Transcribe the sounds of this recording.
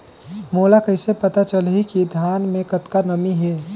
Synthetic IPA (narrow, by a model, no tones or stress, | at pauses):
molakəɪsepət̪at͡ʃəlɦikid̪ʱjanmẽkət̪kanəmiɦe